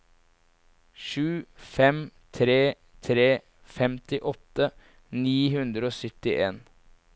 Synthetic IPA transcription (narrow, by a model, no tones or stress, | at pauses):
ʃʉːfɛmt̪ʰɾeː | t̪ʰɾeː | fɛmt̪ɪʔɔt̪ːə | niːɦʉnd̪ɾəoːsʏt̪ɪʔeːn